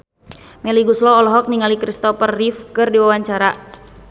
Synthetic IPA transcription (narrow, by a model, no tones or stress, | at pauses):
mɛliɡuslɔːlɔɦɔk̚niŋalikɾist̪ɔpərːifkɨrdiwawaɲt͡ʃaɾa